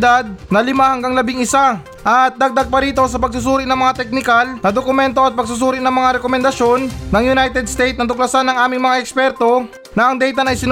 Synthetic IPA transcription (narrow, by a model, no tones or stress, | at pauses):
d̪ad̪̚nɐlɪmahɐŋɡaŋlɐbɪŋɪsa | ʔɐt̪̚d̪ɐɡ̚d̪aɡ̚pɐɾiːt̪o̞s̬ɐpɐɡ̚sʊs̬uːɾɪnɐŋmɐŋat̪ɛk̚nɪkalnɐd̪okʊmɛnt̪o̞ʔɐt̪̚pɐɡ̚s̬ʊs̬uːɾɪnɐŋmɐŋaɾɛkomɛnd̪ɐʃjo̞nnɐŋjʊnajt̪ɛd̪̚st̪ejt̪̚nɐt̪ʊk̚lɐsanːɐŋʔaːmɪŋmɐŋaʔɛkspɛɾt̪o̞ | nɐʔɐŋd̪ɛjt̪ɐnɐjsɪn